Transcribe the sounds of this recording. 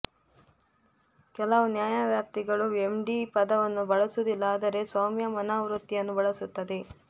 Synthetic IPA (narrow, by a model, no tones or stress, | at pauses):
kɛlɐʋunjaːjaʋjaːp̚t̪iɡɐɭuemɖiːpɐd̪ɐʋɐnːubɐɭɐsud̪ilːɐaːd̪ɐɾe̞saːmjɐmɐnaːʋɾut̪ːijɐnːubɐɭɐsut̪ːɐd̪e̞